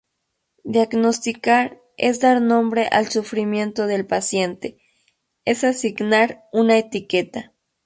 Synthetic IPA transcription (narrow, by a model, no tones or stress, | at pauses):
d̪jaɡnost̪ikaɾ | ḛzd̪aɾnõ̞mbɾeʔalsufɾimje̞nt̪oðelpasje̞nt̪e | esasiɡnaɾunaet̪iket̪a